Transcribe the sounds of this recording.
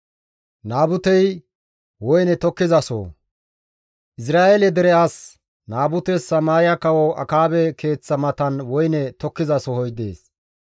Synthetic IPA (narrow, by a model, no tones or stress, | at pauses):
naːbʊt̪ɛj | wɔjnɛt̪ɔkːɪzɐso̰ː | ʔɪs̬ɾaːʔɛlɛd̪ɛɾɛʔaːs | naːbʊt̪ɛsːɐmaːɾɪjɐkɐwɔʔɐ̰kaːbɛkʰe̞ːt͡sːɐmɐt̪ɐnwɔjnɛt̪ɔkːɪzɐsɔhɔjd̪e̞̰ːs